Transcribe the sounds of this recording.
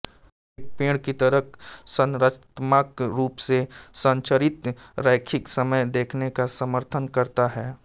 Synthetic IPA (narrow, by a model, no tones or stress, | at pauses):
ek̚pẽːɽkit̪ɐɾəksə̃nɾət̪maːkɾuːpsesə̃nt͡ʃəɾɪt̪ɾɛːkʰɪksɐməjd̪eːkʰnekasəməɾt̪ʰənkɐɾt̪aɦɛː